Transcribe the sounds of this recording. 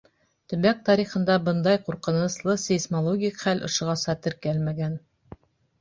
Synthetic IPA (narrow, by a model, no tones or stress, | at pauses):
t̪ɵ̆βæk̚t̪ɑɾiχɤ̆nd̪ɑbɤnd̪ɑjquɾqɤ̆nɤ̆slˠɤsesmolˠoɡʲikχælʔŏ̰ʃɤ̆ʁɑsɑt̪ɘɾkælmæɡæn